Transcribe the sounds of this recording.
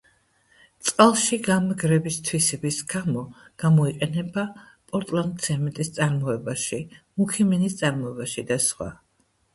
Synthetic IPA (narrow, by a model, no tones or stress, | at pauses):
t̪sʼqʼalˠʃiɡamɛɡɾɛbist̪ʰwisɛbisɡ̥amɔɡ̥amɔiqʼɛnɛba | pʼɔɾt̪ʼlˠand̪̚sʰɛmɛt̪ʼist̪sʼaɾmɔɛbaʃimukʰiminist̪sʼaɾmɔɛbaʃid̪asχwa̰